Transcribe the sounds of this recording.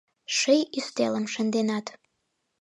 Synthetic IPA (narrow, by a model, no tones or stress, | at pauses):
ʃəjyst̪ḛləmʃə̆nd̪enɑt̪